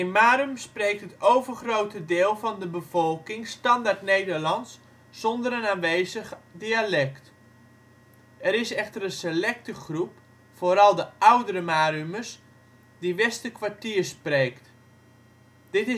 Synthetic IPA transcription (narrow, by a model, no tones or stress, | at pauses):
ɪnmaːɾymsprejk̚tətowvərχrowtədɪːlˠvɑndəbəvɔlˠkɪŋstɑndartnejdəɹlɑnsː | ɔndəɾənaːnʋejzəχdialɛkt | ɛɾɪsɛxtərənselɛk̚təχrup | foːɾɑlˠdəʔawdəɾəmaːryməs | diʋɛstəkʋaɹtiːrspreːkt | d̥ɪtɪ